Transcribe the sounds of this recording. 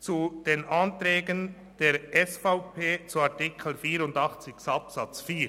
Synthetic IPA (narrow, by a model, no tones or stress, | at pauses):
t͡sud̥eːnʔɑnt̪ɾɛːɡən | d̥eːɾɛsfaʊpʰeːt͡suɑʁtɪkʰl̩fiːɾʊndɑχt͡sɪçsɑpsɑt͡sfiːɾ